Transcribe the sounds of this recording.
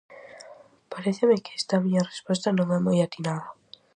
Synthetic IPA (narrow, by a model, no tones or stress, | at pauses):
paɾeθemɪke̥ɛst̪amiɲarespɔs̬t̪anõŋɛmojat̪inaða